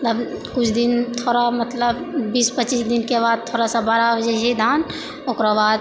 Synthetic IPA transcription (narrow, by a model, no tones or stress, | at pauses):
mt̪ləbkʊt͡ʃʰd̪int̪ʰoɾamət̪ləbːiːspət͡ʃisd̪inkeβad̪̚t̪ʰoɾasãbaɾabəd͡ʒɛsid̪ʱan | okɾabad̪